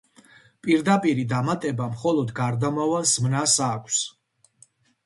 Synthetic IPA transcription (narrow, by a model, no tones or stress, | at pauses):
pʼiɾd̪apʼiɾid̪amat̪ʼɛbamχɔlˠɔd̪ɡaɾd̪amavalˠz̥mnasakʷʰs